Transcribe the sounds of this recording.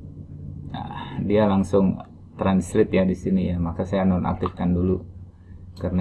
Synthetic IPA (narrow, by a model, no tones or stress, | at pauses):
a̰dialaŋsʊŋ | t̪ɾansɾɪt̪jadisinijamakasajanɔnʔa̰k̚t̪ɪfkandulu | karna